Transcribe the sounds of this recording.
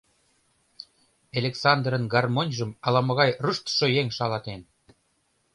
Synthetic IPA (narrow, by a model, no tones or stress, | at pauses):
elʲeksɑnd̪rə̆nɡɑrmonʲʒə̆mɑlɑmɤ̆ɣɑjrəʃt̪ʃojeŋʃɑlɑt̪en